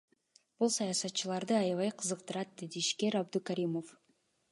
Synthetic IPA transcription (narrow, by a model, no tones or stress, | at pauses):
b̥ulˠsɑjɑsɑt̪̚ːt͡ʃɯlˠɑɾd̪ɯɑjɑvɑjqʰɯzɯqt̪ɯɾɑt̪̚d̪e̞d̪iʃke̞ɾɑbd̪ukaɾʲimo̞f